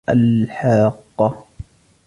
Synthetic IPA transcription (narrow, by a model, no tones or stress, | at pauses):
ʔalħɑːqːɑ